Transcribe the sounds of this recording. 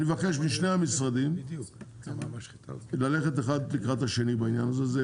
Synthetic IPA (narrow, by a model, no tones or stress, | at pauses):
nmevake̞ʃbiʃneamisʁad̪imuait̪a̰lale̞χet̪̬eχad̪likʁat̪haʃe̞nibainjanazeze